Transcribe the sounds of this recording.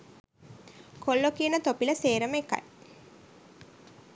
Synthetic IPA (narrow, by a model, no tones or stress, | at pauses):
kʰolːokiənət̪opiləseːɾəmeka̰j